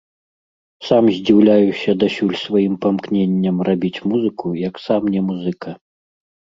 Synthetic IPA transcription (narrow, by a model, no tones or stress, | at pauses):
samzʲd͡zʲiwlʲajusʲɐd̪asʲulʲsvajimpamknʲenʲːɐmrabʲit͡sʲmuzɨkujɐksamnʲɛmuzɨkɐ